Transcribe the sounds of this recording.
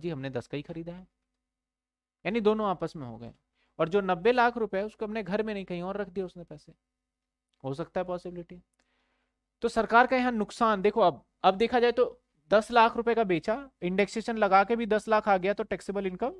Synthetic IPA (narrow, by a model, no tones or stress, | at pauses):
d͡ʒiːɦɐmned̪ɐskaɦixɐɾiːd̪aɦɛː | jaːnid̪oːnõaːpəsmẽɦo̰ɡɐ̰ḛ̃ | ɔːɾd͡ʒoːnɐbːelaːkʰɾʊpeɦɛʊskoɐpneɡʱɐɾmẽnɐɦĩkɐɦĩɔːɾːɐkʰd̪iaʊsnẽpɛːse | ɦoːsɐk̚t̪aɦɛpɔːsɪbɪlɪʈi | t̪osɐɾkaːɾkajɐɦãnʊksaːnd̪eːkʰoɐb̚ | ɐbd̪eːkʰad͡ʒaːet̪o | d̪ɐslaːkʰɾʊpekabeːt͡ʃaɪ̃ɳɖekseːʃənlɐɡaːkebʱid̪ɐslaːkʰaːɡɐjat̪oʈɛːksɪbəlɪ̃nkəm